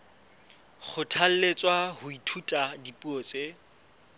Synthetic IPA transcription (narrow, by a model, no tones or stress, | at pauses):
χʰʊtʰal̩let͡sʼwahʊitʰutʼadipʼuɔt͡sʼe